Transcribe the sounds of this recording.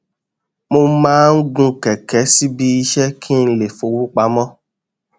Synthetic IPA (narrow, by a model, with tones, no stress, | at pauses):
mo˧˦mãː˦n̩˦ɡũ˦kɛ˨kɛ˨˦si˦bi˦i˧ʃɛ˦kʰĩ˦n̩˦le˨fo˨wu˦k͡pa˧˦mɔ̃˦